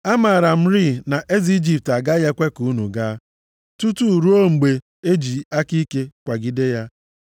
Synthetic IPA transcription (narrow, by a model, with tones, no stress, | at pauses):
a˦ma˨ɾa˨m̩˦ɾi˦˨na˨ʔe˦zi˦d͡ʒi˦˨p̚ta˨ɡa˦ja˦kʷe˦ku˨˦nṵ˨ɡa˦ | tu˦tu˦˨ɾu˦o˦ŋ͡m̩˨ɡ͡be˨ | e˦d͡ʒi˨a˦ki˦ke˦kʷa˨ɡi˦de˦ja˦